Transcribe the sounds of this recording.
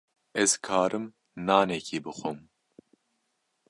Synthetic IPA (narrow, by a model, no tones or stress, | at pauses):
ɛz̥kʰaːɾɨm | naːnɛkʰiːbɨxʷom